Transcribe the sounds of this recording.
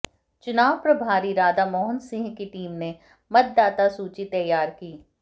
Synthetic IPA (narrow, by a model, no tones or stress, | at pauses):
t͡ʃʊnaːʋpɾɐbʱaːɾiɾaːd̪amɔːɦənsɪ̃ŋɡkiʈiːmne | mɐt̪̚d̪aːt̪asuːt͡ʃit̪ɐjaːɾkiː